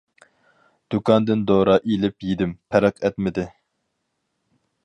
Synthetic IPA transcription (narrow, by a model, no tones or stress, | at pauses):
d̪̥ukʰɑnd̪ɪnd̪oːɾɑʔelɪpjid̪ɪmpʰɛɾɛqʰɛt̪mɪd̪ɪ